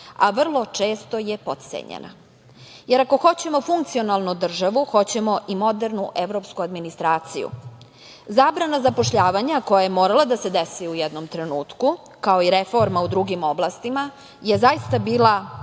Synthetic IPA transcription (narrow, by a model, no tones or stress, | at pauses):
aʋr̩lˠo̞t͡ʂeːst̪ojepot̪t̪sḛɲḛnʔa̰ | jeɾako̞xo̞t͡ɕe̞mo̞fuŋk̚t̪sio̞nalˠnud̪r̩ʒaʋuxo̞t͡ɕe̞mo̞ʔimo̞d̪eɾnuʔeʋɾo̞pskuad̪minist̪ɾaːt̪sḭjṵ | zaːbɾanazapoʃʎaːʋaɲako̞jajemoːɾalˠad̪ased̪esiujɛd̪no̞mt̪ɾenuːt̪ku | kaoiɾefo̞ɾmaud̪ɾuɡimo̞blast̪ima | je̞zaist̪abiːlˠa